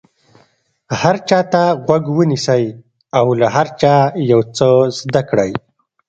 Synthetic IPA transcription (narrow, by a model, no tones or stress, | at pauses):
haɾt͡ʃɑt̪aɣwaɡwənisəj | awlaɦaɾt͡ʃɑjawt͡səzd̪akɽaj